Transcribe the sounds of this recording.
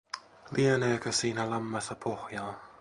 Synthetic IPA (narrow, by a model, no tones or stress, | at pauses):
lieneːkøsiːnælɑmːɑsɑpʰohjɑː